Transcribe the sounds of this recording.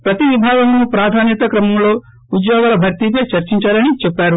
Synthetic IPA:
pɾɐt̪iʋibʱaːɡɐŋnupɾaːd̪ʱaːnjɐt̪ɐkɾɐmɐmlo̞ː | ud̪joːɡaːlɐbʱɐɾt̪ipɐt͡ʃɐɾt͡ʃiɲt͡ʃaːɾɐnit͡ʃɛpːaːɾu

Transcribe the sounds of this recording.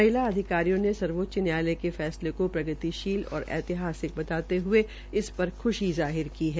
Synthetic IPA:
ɐɪlaɐd̪ʱɪkaːɾijõnesɐɾʋoːt̪t͡ʃənjaːlekefɛːslekopɾɐɡət̪iʃiːlɔ̰ːɾɛ̰ːt̪ɪɦaːsɪk̚bɐt̪aːt̪eɦʊe | ɪspɐɾxʊʃizaːɦɪɾkiɦɛː

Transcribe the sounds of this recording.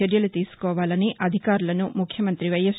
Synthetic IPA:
eɾjɐlut̪iːsu̥kɔːʋaːlɐniʔɐd̪ʱikaːɾulɐnumukʰjɐmɐnt̪ɾiʋɐjɐs

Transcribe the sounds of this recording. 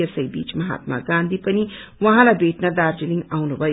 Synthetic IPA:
əsɐjbḭːt͡ʃmɐɦa̰t̪̚ma̰ɡãnd̪ʱipʌniwʌɦãlajbeʈnɐd̪aɾd͡ʒiliŋɡawnubʱʌ

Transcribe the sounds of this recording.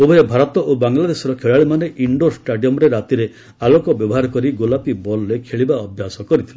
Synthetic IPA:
obɔebʱaɾɔt̪ɔʔobaŋlad̪esɔɾɔkʰeɭaɭimaneʔiɳɖosʈaɖijɔmɔɾeɾat̪iɾe | alokɔbjɔbɔɦaɾɔkɔɾiɡolapibɔlɾekʰeɭibaɔbʱjasɔkɔɾit̪ʰile

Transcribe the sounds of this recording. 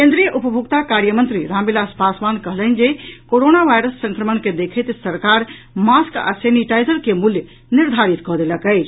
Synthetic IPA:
kẽnd̪ɾijəʔupəbʱukt̪akaɾjəmənt̪ɾiɾãmbilaspasband̪kəɦlənd͡ʒekoɾonaʋʱajɾəsːə̃ŋkɾəmənked̪ekʰəjt̪səɾkaɾ | maska̰seniʈajzəɾkemuljə | niɾd̪ʱaɾit̪kɔɦd̪eləkəjt͡ʃʰ

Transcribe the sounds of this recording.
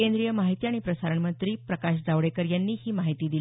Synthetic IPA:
end̪ɾijəmaɦit̪iaɽ̃ipɾəsaɾəɳmənt̪ɾiːpɾəkaɕd͡zaʋɽekəɾjanːiːhiːmaɦit̪iːd̪i

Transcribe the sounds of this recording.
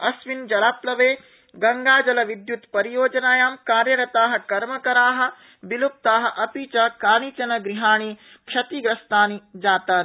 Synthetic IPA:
ɐsʋind͡ʒɐlaːplɐʋeː | ɡɐŋɡaːd͡ʒɐlɐʋid̪jut̪pɐɾijoːd͡ʒɐnaːjaːmkaːɾjɐɾɐt̪aːɦɐ̆kɐɾmɐkɐɾaːɦɐ̆ | bilup̚t̪aːɦɐ̆ʔɐpiːt͡ʃɐkaːnit͡ʃɐnɐɡɾiɦaːɳ̃iː | kʃɐt̪iːɡɾɐst̪aːnid͡ʒaːt̪aːn

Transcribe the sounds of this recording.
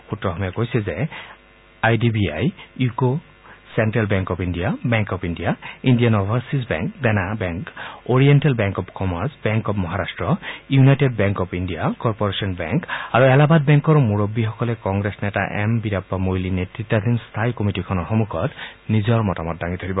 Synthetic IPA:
xutɹɔxɔmakojsɛzɛ | ajdibia̰juko | sɛntɹalbɛŋkɔpʰindijabɛŋkɔpʰindijaindijanɔbʱaɹsisbɛ̰ŋkdɛnabɛŋkoɹiɛntɛlbɛŋkɔpkɔmaɹsbɛŋkɔpmɔɦaɾastɹɔjunajted̚bɛŋkɔpʰindijakɔɹpɔɹesɔnbɛ̰ŋkaɹuɛlabat̚bɛŋkɔɹmuɹobːixɔkɔlɛkɔŋɡɹesnɛta̰ʔɛ̰mbiɾapːamojlinetɹitːad̪inst̪ʰajkɔmitikʰɔnɔɹxɔmukʰɔtnizɔɹmɔtamɔt̚daŋit̪ʰaɾibɔ

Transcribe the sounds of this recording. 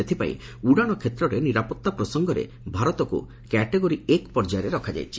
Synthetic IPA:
et̪ʰipa̰ḭ̃ | uɽaɽ̃ɔkʰet̪ɾɔɾeniɾapɔt̪ːapɾɔsɔŋɡɔɾḛ | bʱaɾɔt̪ɔkṵ | kɛʈeɡoɾiekpɔɾd͡ʒajɾeɾɔkʰad͡ʒa̰jt͡ʃʰi̥

